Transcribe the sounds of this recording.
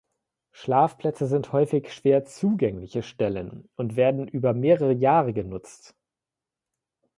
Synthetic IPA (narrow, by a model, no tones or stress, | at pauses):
ʃlaːfpl̥ɛt͡səzɪnthɔʏfɪçʃv̥eːɐt͡suːɡɛŋlɪçəʃtɛlənʊntv̥eːɐdn̩ʔyːbɐmeːʁəʁəjaːʁəɡənʊt͡st